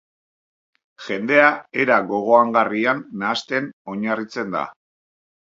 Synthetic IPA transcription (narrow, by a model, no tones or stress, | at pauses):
ʝe̞nd̪e̞ae̞ɾaɣo̞ɣ̞o̞aŋɡarianːaːst̪e̞no̞ɲarit͡se̞nd̪a̰